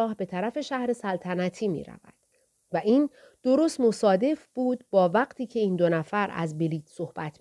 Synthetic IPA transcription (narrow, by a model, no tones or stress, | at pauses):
ɒːhbe̞t̪ʰæɾæfe̞ʃæhɾe̞sælt̪ʰænæt̪ʰiːmḭːɾæ̰væ̰d̪̥ | væʔiːn | d̪̥o̞ɾo̞st̪mo̞sɒːd̪e̞fb̥uːd̪bɒːvæɢt̪ʰiːcʰe̞iːnd̪o̞næfæɾæ̰zbeliːt̪sohb̥æt̪ʰ